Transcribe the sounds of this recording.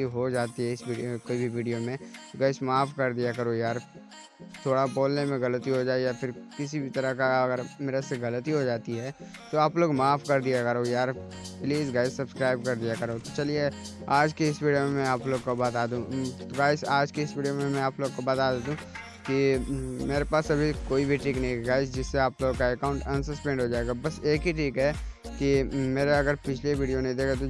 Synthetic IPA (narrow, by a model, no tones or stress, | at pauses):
iɦod͡ʒaːt̪iɦɛɪsʋiːɖiokoːibʱiʋiːɖijomẽɡaːɪsmaːfkɐɾd̪ijakɐɾoːjaːɾ | t̪ʰoːɽapoːlnemẽɣɐlət̪iɦod͡ʒaːejafɪɾkɪsibʱit̪ɐɾəkaɐɡəɾmeːɾeseɣɐlət̪iɦod͡ʒaːt̪iɦɛː | t̪oaːploːɡmaːfkɐɾd̪ijakɐɾoːjaːɾ | pliːzɡaːɪssɐbskɾaːɪb̚kɐɾd̪ijakɐɾoːt̪ot͡ʃɐlieaːd͡ʒkiɪsʋiːɖijomẽmɛ̃aːploːɡkobaːt̪aːd̪ũɡaːɪsaːd͡ʒkiɪsʋiːɖijomẽmɛ̃aːploːɡkobaːt̪aːd̪eːd̪ũː | kimeːɾepaːsɐbʱikoːibʱiʈʰiːknɐɦĩkɡaːɪs̬d͡ʒɪsːeaːploːɡkaɛkaːʊ̃ɳʈɐ̃nsɐspɛ̃ːɳɖɦod͡ʒaːeːɡabɐseːkɦiʈʰiːkɦɛkimeːɾeɐɡəɾpɪt͡ʃʰleʋiːɖijonẽd̪eːkʰat̪o